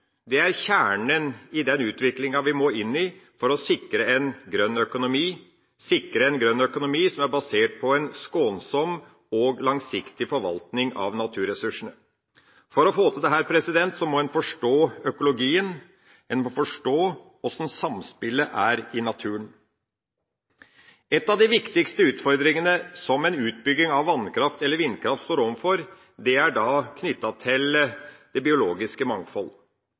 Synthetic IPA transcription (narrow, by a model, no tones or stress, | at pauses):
d̪ɛæɾçæːɳənɪd̪ɛnʉːt̪ʋɪklɪŋɑʋɪmoːɪnːɪfɔɾɔsɪkɾəɛnɡɾœnːœkʊnʊmiː | sɪkɾəɛnɡɾœnːœkʊnʊmiːsɔmæɾbɑseːʈ̚pʰɔɛnskoːnsɔmː | ɔɡlɑŋsɪkt̪ɪfɔɾʋɑ̰lt̪nɪŋɑ̰ʋnɑt̪ʰʉːɾɛsʉʂəɳə | fɔɾɔfoːt̪ʰəd̪ɛɦæːɾpʰɾɛsɪd̪ɛnt̪sɔmɔɛnfɔʂʈoːœkʊlʊɡiːən | ɛnmɔfɔʂʈoː | ɔsn̩sɑmspɪləʔæɾɪnɑt̪ʰʉːəɳ | ɛt̪ːɑʋd̪ɪʋɪkt̪ɪkst̪əʉːt̪fɔɾd̪ɾɪŋənəsɔmɛnʉːt̪̚bʏɡːɪŋɑʋːɑnkʰɾɑft̪ɛlːəɾʋɪnːkʰɾɑft̪st̪oːɾɔmfɔɾ | d̪ɛæɖɑːkʰnʏt̪ːɑt̪ʰɪld̪̥ɛbɪʊloːɡɪskəmɑŋfɔl